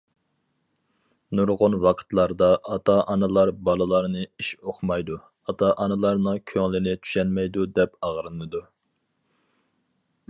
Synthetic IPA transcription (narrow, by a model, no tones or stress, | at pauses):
nuɾʁʊnwɑqʰə̥t̪lˠɑɾd̪ɑʔɑt̪ʰɑʔɑnɨlˠɑɾbɑlˠɨlˠɑɾnɨiʃoqmɑjd̪u | ɑt̪ɑʔɑnɨlˠɑɾnɨŋkʲʰøŋlɪnɪt͡ʃ̪ʰy̥ʃɛnmɛjd̪ud̪ɛpɑʁɾɨnɨd̪u